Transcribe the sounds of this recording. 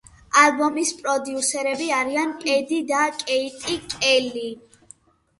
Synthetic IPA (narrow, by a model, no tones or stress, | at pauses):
albɔmispʼɾɔd̪iusɛɾɛbiaɾiankʼɛd̪id̪akʼɛit̪ʼikʼɛli